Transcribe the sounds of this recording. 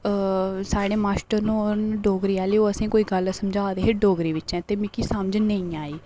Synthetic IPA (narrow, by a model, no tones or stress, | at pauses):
saːɽeːmaːsʈəɾnũːɾnɖoːɡɾiːɛːliːoːəsĩːkoːiːɡəlsəmd͡ʒaːd̪eːɦeɖoːɡɾiːʋɪt͡ʃɛ̃ːt̪eːmɪkiːsəmd͡ʒnəĩːaːiː